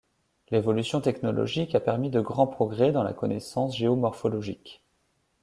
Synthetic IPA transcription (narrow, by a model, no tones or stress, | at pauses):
levɔlysjɔ̃t̪ɛknɔlɔ̰ʒikapɛʁmid̪əɡʁɑ̃pχɔɡʁɛd̪ɑ̃la̰kɔnɛsɑ̃sʒeɔmɔʁfɔlɔʒik